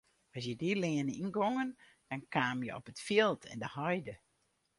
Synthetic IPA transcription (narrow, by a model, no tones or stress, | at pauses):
ɔs̬jədilɪənəinɡoŋən | d̥ɔnkaːmjə̰ɔ̰pətfilˠtʰɛ̰ndəhɔjdə